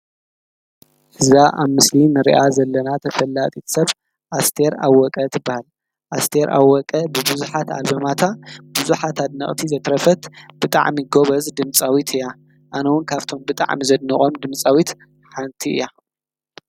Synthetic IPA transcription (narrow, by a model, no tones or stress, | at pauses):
ʔɨzaʔaβmɨslinɨɾḭʔazɐlːɐnat̪ʰɐfɐlːat̪ʼit̪ʰsɐβ | ʔast̪ʰe̞ɾa̰wɔkʼɐt̪ʰɨbːahal | ʔast̪ʰeɾʔa̰wɔkʼɐbɨbɨzuħat̪a̰lbɐmat̪ʰabuzuħat̪ʰad̪nɐχʼt̪ʰizɐt̪ɾɐfɐt̪b̥ɨt̪ʼa̰ʕmiɡo̞βɐzd̪ɨmt͡sʼawit̪ʰɨja | ʔanɐwʊnkʰaβt̪ʰo̞mbɨt̪ʼa̰ʕmizɐd̪niχʼo̞md̪ɨmt͡sʼawit̪ | ħant̪ʰiɨ̰ja